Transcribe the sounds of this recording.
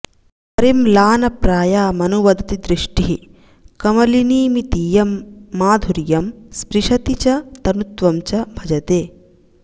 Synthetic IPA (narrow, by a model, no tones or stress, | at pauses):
pɐɾimlaːnɐpɾaːjaːmɐnuʋɐd̪ʱɐt̪id̪ɾiʂʈiɦi | kɐmɐliniːmit̪ijɐmːaːd̪ʱuɾjɐmspɾiʂɐt̪it͡ʃɐt̪ɐnut̪ʋɐmt͡ʃɐbʱɐd͡ʒɐt̪eː